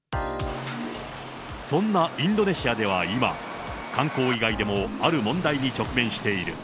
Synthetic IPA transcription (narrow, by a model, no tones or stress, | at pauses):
sõ̞nːaĩnd̪o̞ne̞ɕiad̪e̞β̞aima̰ | kãŋko̞ːiɡaid̪e̞mo̞aɾɯ̟mõ̞nd̪aiɲ̟it͡ɕo̞kɯ̟mẽ̞ɰ̃ɕi̥t̪e̞iɾɯ̟